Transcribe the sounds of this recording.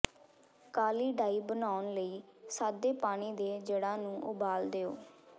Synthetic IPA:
kaːliːɖaːiːbənaːʊnləiːsaːd̪eːpaːɽ̃iːd̪eːd͡ʒəɽãːnũːʔʊ̰baːld̪eːoː

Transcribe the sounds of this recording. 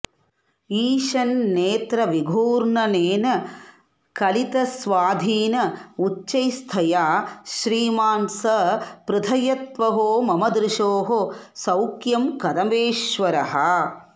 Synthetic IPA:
iːʃɐnːeːt̪ɾɐʋiɡʱuːɾɳɐneːnɐ | kɐlit̪ɐsʋaːd̪ʱiːnɐut͡ʃːt͡ʃːɐjst̪ʰɐjaːʃɾiːmaːnsɐpɾɪd̪ʰʱɐjɐt̪ʋɐɦoːmɐmɐd̪ɾɪʃoːɦo | sɐwkjɐmkɐd̪ɐmeːʃʋɐɾɐɦɐ

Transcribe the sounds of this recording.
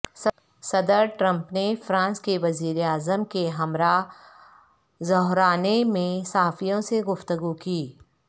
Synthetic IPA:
sɐd̪əɾʈɾɐ̃mpnefɾãːnskeʋɐziːɾeaːzəmkeɦɐmɾa | zɔɦɾaːnemẽsaɦaːfijõseɡʊft̪əɡukiː

